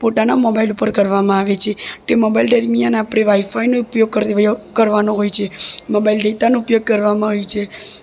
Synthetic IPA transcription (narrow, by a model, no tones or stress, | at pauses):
poʈ̪anamɔbailupəɾkəɾʋamãaʋet͡ʃʰeʈemɔbailɖəɾmijaneapɽ̃eʋaifainoupjoɡ̚kəɾkəɾʋanoɦojt͡ʃʰemɔbaild̪et̪anoupjoɡ̚kəɾʋamãɦojt͡ʃʰe